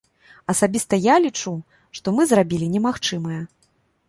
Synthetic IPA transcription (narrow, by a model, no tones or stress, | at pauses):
ɐsabʲist̪ɐjalʲit͡ʂu | ʂt̪ɔmɨzrabʲilʲinʲɛmaxt͡ʂɨmɐjɛ